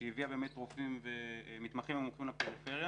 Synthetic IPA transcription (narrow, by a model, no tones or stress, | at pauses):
ejiviabe̞ːmet̪ːʁufimvemit̪maχimemuχimlapeʁife̞ʁja